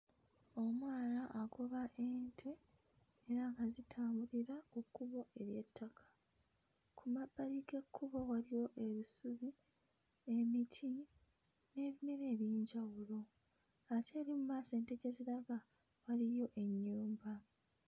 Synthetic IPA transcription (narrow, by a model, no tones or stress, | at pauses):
o̞mwaːnaʔːɡo̞βaʔe̞ːntʰe̞ː | ɾaŋkazitʰaːmbuliɾaokːuβo̞e̞βje̞tːakʰḁ | kʰumabːalike̞kʰːuβo̞walijo̞ʔe̞βisuβi | e̞mitʰi | ne̞ːβineɾe̞ːβjeːɲɟawulo̞ | atʰe̞ːɾimumaːse̞ːnteɟe̞ziɾaɡa | walijo̞ʔe̞ɲːuːmba